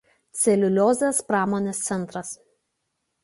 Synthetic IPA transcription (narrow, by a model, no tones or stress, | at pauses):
t̪sʲɛlʲʊlʲoːzʲeːspɾɑːmoːnʲeːst̪sʲɛnˑt̪ɾɐs